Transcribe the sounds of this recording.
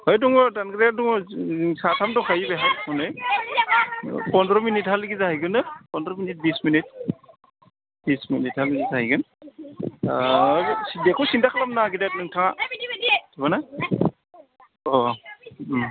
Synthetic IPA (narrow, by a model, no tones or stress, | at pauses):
hɔjduŋɔdanɡɯɾaduŋɔsatʰamdɔkʰajibeɦamɔnɯj | pɔndɾɔminithalɯɡizahijɡɯnɯpɔndɾɔminit̚bisminit̚ | b̥isminit̚halɡizajɡɯn | dekʰusindakʰalamnaɡidat̚nɯŋtʰaŋa | tʰibana | ɔ